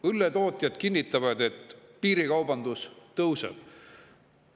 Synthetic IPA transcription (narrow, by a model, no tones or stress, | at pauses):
ylːet̪o̞ːt̪ʲˑjɑd̪̥kinʲːit̪ːˑɑvɑd̪e̞t̪ːpiːɾikɑwbɑnd̪̥ust̪ɤwsḛb̥